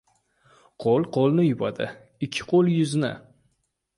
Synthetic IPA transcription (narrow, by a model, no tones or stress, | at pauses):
qʰolˠqʰolˠnɪjʊbad̪ɪ̰ | ɪkʲʰːɪ̥qʰolˠjʊznɪ̰